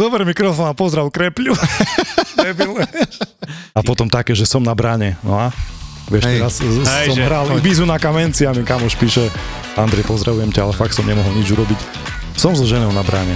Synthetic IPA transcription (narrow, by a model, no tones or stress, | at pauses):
d̪ɔbɾɛmikɾɔfɔːnapɔzɾaʊkɾɛpʎu | ɛbilɛ | apɔt̪ɔmt̪akɛːʒɛsɔmnabɾaɲɛnɔa | ʋɪɛʃt̪ɛɾassɔmɦɾalbizunakamɛnt͡siamɛkamɔʃpiːʃɛ | and̪ɾɛjpɔzd̪ɾaʋujɛmcaalɛfak̚t̪sɔmɲɛmɔɦɔlɲid͡ʒuɾɔbic | sɔmzɔʒɛnɔʊnabɾa̰ɲɛ